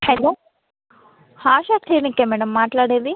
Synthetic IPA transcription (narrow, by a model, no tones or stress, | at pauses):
hɐloː | haːʃaːkʈʰiːɾnikːemɛːɽɐmːaːʈlaːɽeːnd̪i